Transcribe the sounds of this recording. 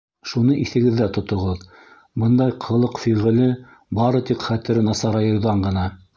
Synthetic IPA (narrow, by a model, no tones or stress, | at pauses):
ʃunɤʔiθɘ̆ɡɘ̆ðːæt̪ŏt̪ŏʁɤð | bɤnd̪ɑjqʰɤ̆lˠɤqfiʁɘ̆lɘ | bɑɾɤt̪iqχæt̪ɘ̆ɾɘnɑsɑɾɑjɤ̆ŏwðɑɴɢɤ̆nɑ